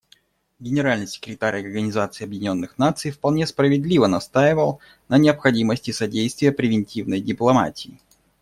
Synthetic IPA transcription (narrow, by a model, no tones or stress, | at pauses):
ɡʲɪnʲɪɾalʲnɨjsʲɪ̥kɾʲɪt̪aɾʲɐrɡənʲɪzat̪sɨɪɐbjɪdʲɪnʲo̞nːɨxnat̪sɨjfpɐlˠnʲespɾəvʲɪd̪lʲivənɐst̪ajɪvəlˠ | nənʲɪɐpxɐdʲiməsʲtʲɪsɐdʲejst̪vʲɪjəpɾʲɪvʲɪnʲtʲivnəjdʲɪplˠɐma̰tʲɪː